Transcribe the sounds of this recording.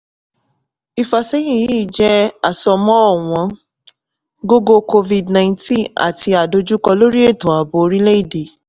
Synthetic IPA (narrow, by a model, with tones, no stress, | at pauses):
i˧fa˧sɛ˦jĩ˦˨ji˦˨d͡ʒɛ˦a˨sɔ˧mɔ̃˦ɔ˦˨w̃ɔ̃˨˦ | ɡo˦ɡo˧ko˧vi˧dnã˧ĩ˧tĩ˦˨a̰˨ti˧a˨do˧d͡ʒu˦kɔ˧lo˦ɾi˦e˦˨tõ˨a˨bo˧ɾĩ˦le˦i˦˨de˨